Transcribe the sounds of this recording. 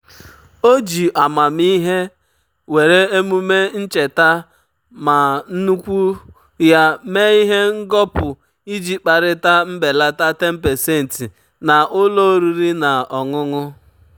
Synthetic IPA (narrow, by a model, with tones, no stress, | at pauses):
o˦d͡ʒi˨ʔa˨ma˨mi˦ɦe˦ | we˨ɾe˦e˦mu˦me˦n̩˦t͡ʃe˨ta˦ | ma˨n̩˦nu˦kʷu˦ | ja˦me˦i˦ɦe˦ŋ̩˦ɡɔ˦pʊ˨ | i˦d͡ʒi˨k͡pa˨ɾɪ˦ta˦m̩˦be˨la˦ta˦te˦m̩˦pe˨se˦˨n̩˨ti˨ | na˨ʔʊ˦lo˦ɾi˦ɾi˦na˨ɔ˨ŋʊ˦ŋʊ˦